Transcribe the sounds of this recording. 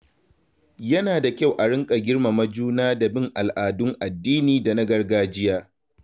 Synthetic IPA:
jɐ˦naː˨da˨kʲa˦˨wʔa˨ɽɪ˦ŋkʼa˨ɡʲɪ˦ɽma˨mɐ˦d͡ʒuː˦naː˦da˨bɪ˦ŋʔa˨lʔaː˨dʊ˦ŋʔa˨dːiː˦niː˨da˨na˦ɡɐ˦rɡaː˦d͡ʒɪ˦jaː˦

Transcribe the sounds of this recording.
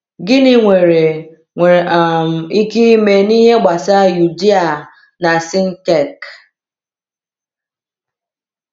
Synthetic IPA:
ɡɪ˦nɪ˨ŋʷe˨ɾe˨ | ŋʷe˨m̩˨i˦ki˦me˨ni˦ɦe˦ɡ͡ba˨sa˦ju˨di˦a˨ | na˨sɪ˦n̩˦te˨k

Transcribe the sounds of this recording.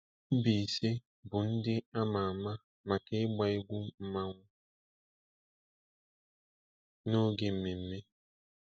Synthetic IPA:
m̩˦bi˨i˨se˦ | bʊ˨n̩˦dɪ˦a˦ma˨a˨ma˦ | ma˨kɪ˦ɪ˦ɡ͡ba˦ɪ˦ɡʷʊ˦m̩˦ma˦ŋʷʊ˦ | no˦ɡe˨m̩˦me˨m̩˦me˦

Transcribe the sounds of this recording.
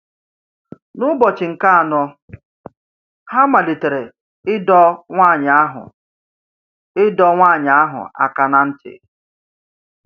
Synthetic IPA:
nʊ˦bɔ˨t͡ʃɪ˨ŋ̩˨ka˦a˨nɔ˦ | ha˦ma˨li˨te˨ɾe˨ | ɪ˦dɔ˦ŋʷaː˦˨ɲa˨a˦ɦʊ̰˨ | ɪ˦dɔ˦ŋʷaː˦˨ɲ˨a˦ɦʊ̰˨a̰˨ka˨na˨n̩˦tɪ̰˨

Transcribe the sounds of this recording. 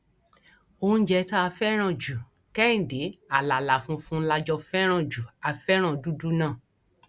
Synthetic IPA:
o˧ũ˦d͡ʒɛ˧ta˦a˧fɛ˦ɾ̃ã˦˨d͡ʒu˨ | kɛ˦ĩ˨de˨˦a˨la˨la˨fũ˧fũ˦la˧d͡ʒɔ˧fɛ˦ɾ̃ã˦˨d͡ʒu˨a˧fɛ˦ɾ̃ã˦˨du˦du˦nã˦˨

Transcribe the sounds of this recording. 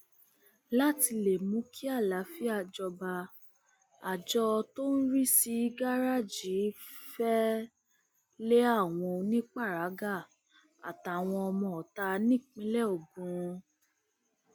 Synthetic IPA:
la˦ti˧le˨mũ˨˦kʰi˦a˦˨la˨˦fi˦a˦˧˨d͡ʒɔ˧ba˧ | a˨d͡ʒɔ˧to˦n̩˦ɾi˦si˧˦ɡa˦ɾa˦˨d͡ʒi˨˦fɛ˦ | le˦a˦˨w̃ɔ̃˧nĩ˦k͡pa˦˨ɾa˨˦ɡa˦˨ | a̰˨ta˨w̃ɔ̃˧ɔ˧mɔ̃˧˨ɔ˨ta˧˦˧nĩ˦˨k͡pĩ˨˦lɛ˦˨o˨bũ˨ɾ̃ũ˧

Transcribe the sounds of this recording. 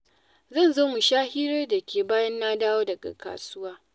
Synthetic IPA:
zɐ˦˨nzoː˦mu˨ʃaː˦hi˦ɾe˦da˨kʲʰeː˨baː˦jɐ˦nːaː˦daː˦woː˦dɐ˨ɡa̰˨kʰa̰ː˨sʊ˦waː˦

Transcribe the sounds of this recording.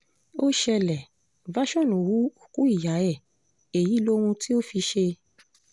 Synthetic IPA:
o˦ʃɛ˧lɛ˨ | va˦ʃɔ̃˦˨no˨wu˨˦o˨ku˦i˦˨ja˨˦ɛ˦˨ | e˨ji˨˦lo˦ɾũ˧ti˦o˦fi˧ʃe˧

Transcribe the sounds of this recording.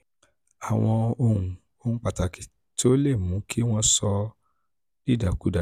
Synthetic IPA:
a˨w̃ɔ̃˧o˧hũ˨ | o˦ñ̩˦k͡pa˨ta˨ki̥˨ | to˦le˦˨mũ˨˦kʰi˦w̃ɔ̃˦sɔ˧ | i˦˨da˨ku˨˦da˨

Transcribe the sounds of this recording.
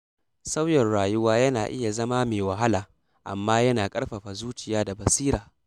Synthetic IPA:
sa˦wjɛ˨nɽaː˨jʊ˦waː˦jɐ˦naː˨ʔɪ˦ja˨zɐ˦ma˦meː˨wɐ˨ɦa˦laː˨ | ʔa̰˨mːaː˦jɐ˦naː˨kʼɐ˦ɽɸa˨ɸa˨zuː˦t͡ʃɪ˨jaː˦da˨bɐ˨siː˦ɾaː˨

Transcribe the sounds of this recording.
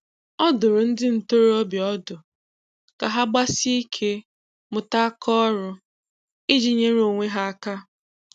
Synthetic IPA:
ɔ˦dʊ˨ɾʊ˨n̩˦dɪ˦n̩˨to˦ɾɔ˦bjɔ˦dʊ˨ | ka˨ɦa˦ɡ͡ba˦si˦i˦kʰe˦ | mʊ˨ta˦kʰɔ˦ɾʊ˦ | i˦d͡ʒi˨ɲe˦ɾo˨ŋʷe˦ɦa˦a˦ka˦

